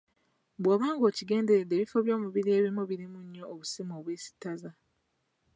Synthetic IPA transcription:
bwaːβaːŋɡo̞ːciɡe̞ːnde̞ɾedːeβifo̞βjo̞ːmuβiɾie̞ːβimoβiɾimuɲːo̞ːβusimoːβweːsi̥taza

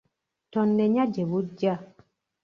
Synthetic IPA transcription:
tɔnːɛɲad͡ʒɛbud͡ʒa

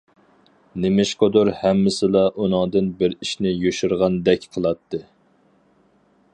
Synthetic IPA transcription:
nɪmɪʃqʰod̪uɾhɛmːɪsɪlˠɑʔunɨŋd̪ɨnbɪɾiʃnɪjoʃuɾʁɑnd̪ɛkʲqʰəlˠɑt̪ʰːɨ

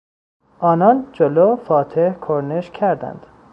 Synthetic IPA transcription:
ʔɒːnɒnd͡ʒolofɒːt̪ʰehkʰoɾneʃkʰæɾd̪æ̰nd̪̥

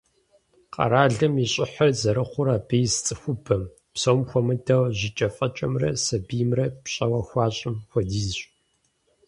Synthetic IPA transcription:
qʼɐ̰ɾaːɮɨmiɕʼɪħɐrzɐɾɨχʷʊɾaːbejst͡sʼɨxʷʊbɐm | psoːmxʷɔmɨdɐwʑɪt͡ʃʼɐfʼɐt͡ʃʼɐmrɐ̰sɐbijmrɐpɕʼɐwɐxʷɑːɕʼɪmxʷɔdiːzɕʼ

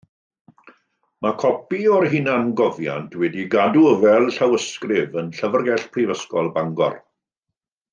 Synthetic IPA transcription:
makʰɔpiɔrɦɪnanɡɔvja̰ntʰwɛdiɡaduəvɛlˠɬawəskrɪvənɬəvərɡɛɬpʰrivəskɔlˠbaŋɡɔ̰r

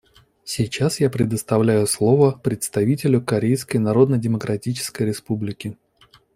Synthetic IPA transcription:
sʲɪjt͡ɕasjapɾʲɪd̪əst̪ɐvlʲæjʊslˠo̞vəpɾʲɪt̪st̪ɐvʲitʲɪlʲʊkɐɾʲejskəjnɐɾo̞d̪nədʲɪməkɾʔɐtʲit͡ɕɪ̥skəjɾʲɪspublʲɪkʲɪ

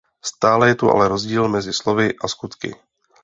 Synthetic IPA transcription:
st̪aːlɛjɛt̪uʔa̰lɛɾo̞zɟiːlmɛzɪslo̞vɪʔaskut̪kɪ̰

